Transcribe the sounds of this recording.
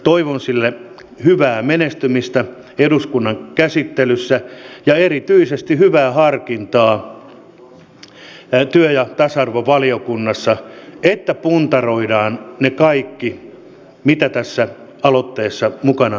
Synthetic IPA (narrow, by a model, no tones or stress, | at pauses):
t̪oiʋonsilːe | hyʋæːmenest̪ymist̪æ | eduskunːɑŋkæsit̪ːelysːæjɑerit̪yisest̪ihyʋæːhɑrkint̪ɑː | t̪yøjɑt̪ɑsɑrʋoʋɑliokunːɑsːɑet̪ːæpunt̪ɑroidɑːnnekɑikːi | mit̪æt̪æsːæ | ɑlot̪ːeːsːɑmukɑnɑ